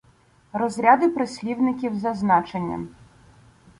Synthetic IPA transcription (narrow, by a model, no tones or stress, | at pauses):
rɔzʲɾʲad̪ɪpɾɪsʲlʲiwnɪkʲiwzɐznɑt͡ʃenʲːɐ̰